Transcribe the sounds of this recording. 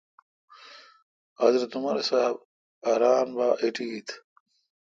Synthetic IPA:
azɾɐt̪umɐɾsaːb | aɾaːnbaːʔiʈiɡit̪ʰ

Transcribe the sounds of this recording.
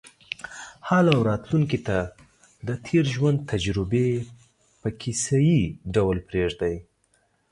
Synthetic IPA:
halawɾɑt̪luŋkit̪a | d̪ət̪ʰeɾʒwand̪̚t̪ʰad͡ʒɾɪbe | pəkʰisajiɖawlpɾeʐd̪aj

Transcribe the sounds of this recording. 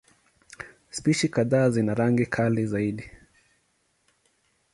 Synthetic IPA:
spiʃikaðaːzinaɾaŋɡikʰalizaiɗi

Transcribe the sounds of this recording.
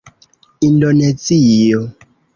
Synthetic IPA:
indonet͡sijɔ

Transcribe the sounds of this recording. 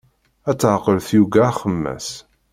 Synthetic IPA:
æt͡sːʕqəlθjuɡæχəmːæ̰s

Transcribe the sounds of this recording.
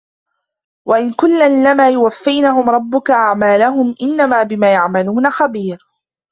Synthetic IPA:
waʔɪnkʊnːalːamaːjʊwafːajnaɦʊmɾˤɑbːʊkaʔaʕmaːlaɦʊmʔɪnːamaːbɪmaːjaʕmaluːnaxabiːɾ

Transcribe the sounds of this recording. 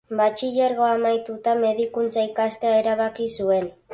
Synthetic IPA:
bat͡ʃiʎeɾɣo̞amajt̪ut̪ame̞ð̞ikunt͡saikast̪eaeɾaβakisue̞n

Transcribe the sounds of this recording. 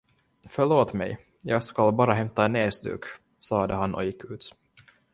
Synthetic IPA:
fœɭoːt̪mɛ̰j | jɑːɡskalbɑːɾaɦɛmt̪aeneːsd̪ʉ̰ːk | sɑːd̪əɦanʔɔ̰jɪkʰːʉ̟ːt̪

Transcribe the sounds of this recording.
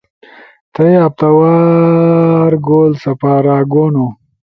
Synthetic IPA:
t̪ɐjɐp̚t̪ɐwaː | ɾɡoːlsɐpaːɾaːɡono

